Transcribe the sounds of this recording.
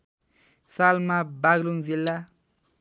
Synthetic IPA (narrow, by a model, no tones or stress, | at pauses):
salmabaɡlunzilːa